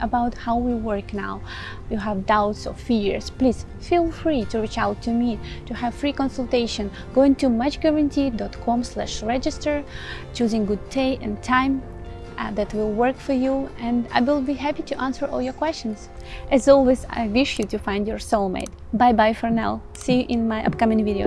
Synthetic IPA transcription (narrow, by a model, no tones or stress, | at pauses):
əbaʊthaʊwwiwɜ˞kna̰ʊ | juɦævdaʊtsɔ̰v̥fiɹspliz̥ | filˠfɹituɹit͡ʃawtʰːumittuhæv̥fɹikɔ̃nsəlˠteɪʃɔ̃n | ɡoʊɪ̃ŋtumʌt͡ʃɡɛɹɨ̃ntʰidɔtkʰɔ̃mslæ̰ʃɹɛd͡ʒɨstə˞t͡ʃuzɪ̃ŋɡʊd̚tʰeɪɨ̃ntʰãɪ̃m | ðætwɪlˠwɜ˞kfɔ˞juɛ̃nda̰ɪwɪlˠbiɦæpitʰuʔæ̃nsə˞ʔɔ̰lˠjɔɹkw̥ɛst͡ʃə̃nz | ʔɛzɔlˠweza̰ɪwɪʃjɨtufãɪ̃ndjɔɹsomḛɪt | baɪbaɪfɔɹna̰l | siʔɪ̃nmaɪʔʌ̰p̚kʌmɪ̃ŋviɾio̰ʊ